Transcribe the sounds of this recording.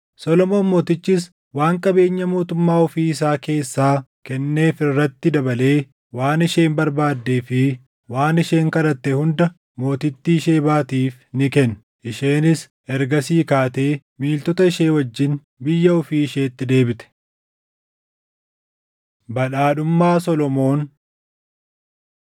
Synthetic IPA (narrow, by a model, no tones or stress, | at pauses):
sɔlɔmo̞ːmːo̞ːt̪ɪt͡ʃːɪs | waːŋkʼɐbe̞ːɲːɐmo̞ːt̪ʊmːaːʊfiːɪs̬aːke̞ːsːaːkɛnːe̞ːfɪrːɐt̪ːɪd̪ɐbɐle̞ː | waːnɪʃe̞ːmbɐɾbaːd̪ːeːfɪ | waːnɪʃe̞ːŋkɐɾɐt̪ːɛhʊnd̪ɐ | mo̞ːt̪ɪt̪ːiːʃe̞ːbaːt̪iːf | nɪkɛn | ʔɪʃe̞ːnɪs | ɛɾɡɐsiːkaːt̪e̞ː | miːlt̪ɔt̪ɐɪʃe̞ːwɐd͡ʒːɪn | bɪjːɐʊfiːɪʃe̞ːt̪ːɪd̪e̞ːbɪt̪ɛ̥ | bɐᶑaːᶑʊmːaːsɔlɔmo̞ːn